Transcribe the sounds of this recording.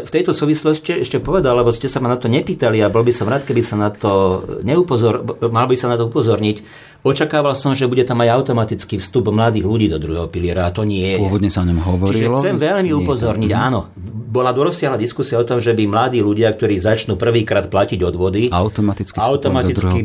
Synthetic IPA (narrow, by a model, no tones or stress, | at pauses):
ft̪ɛjt̪ɔsuːʋislɔsciɛʃcɛpɔʋɛd̪allɛbɔscɛsamanat̪ɔɲɛpiːt̪aliabɔlbisɔmɾaːt̪̚kɛbisanat̪ɔɲɛupɔzɔɾmalbisanat̪ɔupɔzɔɾɲic | ɔt͡ʃakaːʋalsɔmʒɛbuɟɛt̪amːaɟaʊt̪ɔmat̪it͡skifst̪ubmlad̪iːɣluɟiːd̪ɔd̪ɾuɦɛɦɔpilɪɛɾaat̪ɔɲɪɛɛɔʋɔd̪ɲɛsaɔɲɔmɦɔʋɔt͡ʃɾiɾiʒɛlt͡sɛmʋɛʎmiupɔzɔɾɲiɟaːnɔ | bɔlad̪ɔɾɔsːɪaɦlad̪iskusiaɔt̪ɔmʒɛbimlad̪iːluɟɪak̚t̪ɔɾiːzat͡ʃnuːpr̩ʋiːkɾaːt̪̚placiɟɔd̪ʋɔd̪iaʊt̪ɔmat̪it͡skaaʊt̪ɔmat̪id̪ki